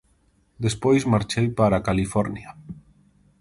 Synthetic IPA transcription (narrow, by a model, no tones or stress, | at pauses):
d̪espojzmaɾt͡ʃejpaɾakalifɔɾnja